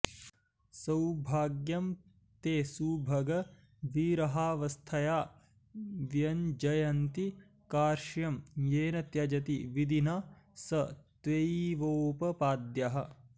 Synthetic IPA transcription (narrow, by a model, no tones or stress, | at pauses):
sɐwbʱaːɡjɐm | t̪eːsuːbʱɐɡɐ | ʋiːɾɐɦaːʋɐst̪ʰɐjaː | ʋjɐnd͡ʒɐjɐnt̪i | kaːɾʃjɐmjeːnɐt̪jɐd͡ʒɐt̪iʋid̪inaː | sɐt̪ʋeiʋoːpɐpaːd̪jɐɦɐ̆